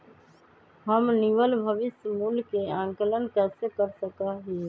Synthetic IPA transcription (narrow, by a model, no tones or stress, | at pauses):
ɦəmnɪʋəlbʱəʋɪsmulkeãːŋkələnkɛːsekəɾsəkaɦiː